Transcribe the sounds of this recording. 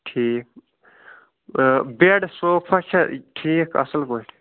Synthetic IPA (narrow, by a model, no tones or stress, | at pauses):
ʈʰiːk̚ | beɖsoːkpʰɐt͡ʃʰaʈʰiːkʰɐ̰səlkoʈʰ